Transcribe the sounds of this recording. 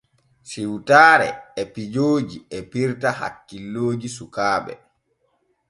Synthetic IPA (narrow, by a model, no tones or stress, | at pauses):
siwtaːɾɛ̰ɛpid͡ʒoːd͡ʒiɛpiɾtaha̰kːilːoːd͡ʒisukaːɓɛ̰